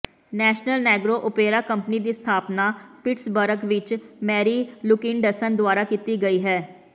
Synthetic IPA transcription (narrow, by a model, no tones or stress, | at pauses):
nɛːʃnəlnɛːɡɾoːʔʊpeːɾaːkəmpniːd̪iːst̪ʰaːpnaːpɪʈsbəɾəkʋɪt͡ʃmɛːɾiːlʊkɪ̃nɖəsənd̪ʊaːɾaːkiːt̪iːɡəiːɦɛː